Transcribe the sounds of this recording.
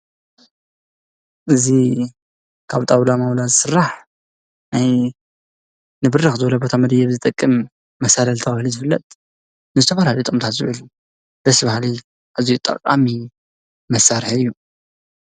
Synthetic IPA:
ʔɨzi | kʰaβt̪ʼaβlamawlazsɨrːaħ | naj | nɨbɨɾɨxzɨblɐbo̞t̪ʰamɐd̪ɐjɛβzɨt̪ʼɐkʼːɨmː | ɐsalɐlt̪ʰɐβahlizɨfɨlːɐt̪ʼ | nɨzɨt̪ʰɐfalalit̪ʼomt̪ʰat̪zɨʔɨlu | b̥ɐsbahli | ʔazijut̪ʼɐ̰qʼa̰mi | mɐsaɾħɨjːu

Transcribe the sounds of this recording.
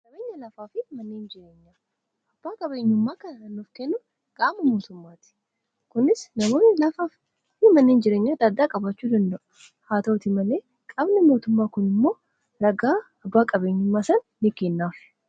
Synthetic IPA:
nɐbeːɲːɐlɐfaːfɪmɐnːeːnd͡ʒɪɾe̞ːɲːaː | ʔɐbːaːkʼɐbe̞ːɲːʊmːaːkɐnɐɐnːʊfkeːnːʊ | ɡ̥aːmɐmo̞ːt̪ʊmːaːt̪ɪ̥ | kʊnɪsnɐmo̞ːnːɪlɐfaf | ɪmɐnːeːnd͡ʒɪɾeːɲːaːd̪aːd̪aːkʼɐbɐt͡ʃːuːd̪ɐnd̪ɐʔʊ̥ | haːt̪ɐwʊt̪ɪmɐleː | kʼɐbnɛmo̞ːt̪ʊmːaːkʊnɪmːo̞ː | ɾɐɡaː | ɐbːaːkʼɐbe̞ːɲːʊmːaːsɐnːɪkeːnːaːf

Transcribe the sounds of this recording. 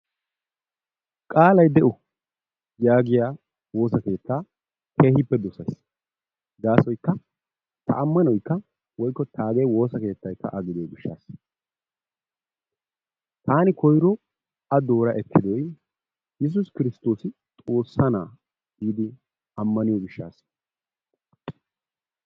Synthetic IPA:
kʼaːlɐjd̪ɛʔɔ | jaːɡɪjaː | wo̞ːsɐke̞ːt̪ːaː | kʰe̞ːhɪpːɛd̪ɔsɐjs | ɡ̪aːsɔjkːɐ | t̪ʰɐ̰ʔɐmːɐnɔjkːɐ | wɔjkːɔt̪ʰaːɡejwo̞ːsɐke̞ːt̪ːɐjkːɐ̰ʔɐɡɪd̪eɡɪʃːa̰ːs | t̪aːnɪkɔjɾɔ | ɐd̪o̞ːɾɐʔɛkʰːɪd̪ɔj | jɛs̬ʊskɪɾɪst̪o̞ːsɪ | t̪ʼo̞ːsːɐnaː | iːd̪ɪ | ɐmːɐnɪjɔːɡɪʃːaːs

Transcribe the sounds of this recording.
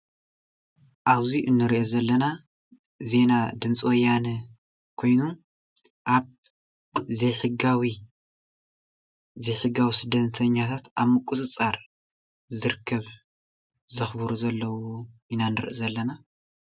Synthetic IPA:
ʔaβziʔɨnːɨɾiʔezɐlːɐna | ze̞nad̪ɨmt͡sʼwɔjːanɨ | kʰo̞jnu | ʔaβ | zejħɨɡawi | zejħɨɡawisɨd̪ːɐɐt̪ʰɐɲːat̪ʰat̪aβmɨkʼusʼɨt͡sʼaɾ | zɨɾɨkʰːɐβ | zɨxbɨɾuzɐlːɐwuʔinanɨɾʔzɐlːɐna

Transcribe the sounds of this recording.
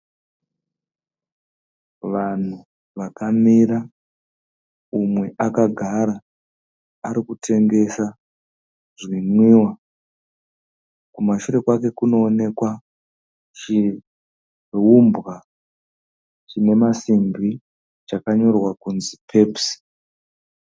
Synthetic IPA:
ʋan̤u | ʋakamira | umwe̞ʔakaɡʱaɾaː | ɾikutʰe̞ŋɡe̞sa | ʐinwiːwa | kumaʃure̞kwake̞kuno̞ːne̞kwa | t͡ʃi | umbɣa | t͡ʃine̞masimbi | t͡ʃakaɲo̞rwakunzipʰe̞psi̥

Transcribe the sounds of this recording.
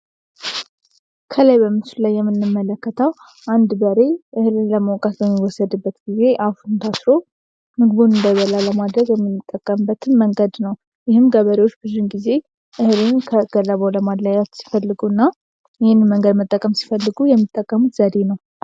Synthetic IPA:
kʰəlajbəmɨt͡ʃllajːɛmːɨnːɨmːələkːət̪ʰəw | ʔand̪bəɾe̞ʔɨhlɨnləməwkʼat̪bəmːiwɔsːəd̪ɨbːət̪ɡize̞ʔafunt̪ʰasɾo̞ | mɨɡɨβunɨnd̪əβəlaləmad̪ɾəɡjɛmːɨnːɨt̪ʼːəkʼːəmbːət̪ʰɨnməŋɡəd̪nəw | jɪhɨmɡəβəɾiwo̞t͡ʃːbɨzunɡize̞ | ʔɨhlɨnkʰəɡ̥əlːəβoləmad̪lajat̪si̥fəlːɨɡuɨnːa | jɪhɪnməŋɡəd̪mət̪ʼːəkʼːəmsi̥fəlːɨɡujɛmːit̪ʼːəkʼːəmut̪z̥əd̪e̞nəw

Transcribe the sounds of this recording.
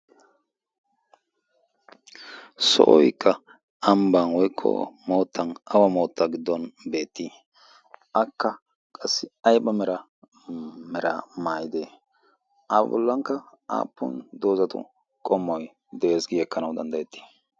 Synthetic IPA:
sɔ̰ʔɔjkːɐ | ɐmbɐnwɔjkʰːɔ̰moːt̪ʰːɐnɐwɐmo̞ːt̪ːɐɡɪd̪ːɔnbe̞ːt̪ːi | ʔɐkːɐ | kʼɐsːɪɐjbɐmɛɾɐ | mɛɾɐ̰maːjɪd̪eː | aːbɐ̰bɔ̰lːɐŋkːɐa̰ːpːʊ̰nd̪oːzɐt̪ʊ̰ | kʼɔmːɔj | d̪ɛʔeːsɡɪjɛkːɐnɐwd̪ɐnd̪ɐjɛt̪ːi̥

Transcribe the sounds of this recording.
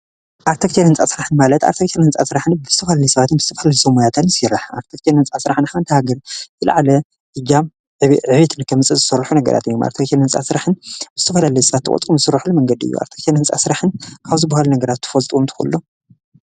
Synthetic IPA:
ʔaɾt̪ʰɐkt̪ʰenhɨnt͡sʼasɨɾaħɨnmalɐt̪a̰ɾt̪ʰɐkt̪ʰenhɨnt͡sʼa̰sɨɾaħɨnbɨzɨ̥t̪ʰɐfɐlalijsɐβat̪ɨnbɨ̥zɨt̪ʰɐfɐlalisɐmujat̪ʰat̪nsɨɾaħa̰ɾt̪ʰɐkt̪ʰenhɨnt͡sʼasɨɾaħɨnħant̪ʰɐhaɡɐɾzɨla̰ʕalɐ | dɨd͡ʒam | ʕɨβit̪ʰɨnkʰɐmɨt͡sʼɨzɨsɐɾːħunɐɡɐ̰ɾa̰t̪ɨjːomʔa̰ɾt̪ʰɐkt̪ʰenhɨnt͡sʼa̰sɨɾaħɨnbɨz̥ɨt̪ʰɐfɐlalɐjsɐβat̪ʰːɨkʼɔ̰umzɨsɨɾːaħlmɐŋɡɐd̪iɨ̰jːṵa̰ɾt̪ʰɐ̥kt̪ʰenhɨnt͡sʼa̰sɨɾaħɨnkʰaβzɨbːahalunɐɡɐɾat̪ːʰɨ̥folt̪ʼomt̪ʰɨ̥xṵlːo

